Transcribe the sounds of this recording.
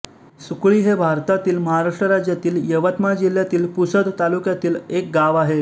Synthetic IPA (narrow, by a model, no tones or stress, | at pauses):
sukɭiːɦebʱaɾt̪at̪iːlməɦaɾaʂʈɾəɾad͡ʑjat̪iːljəʋət̪mad͡ʑil̤ːjat̪iːlpusəd̪t̪alukjat̪iːlek̚ɡaʋaɦe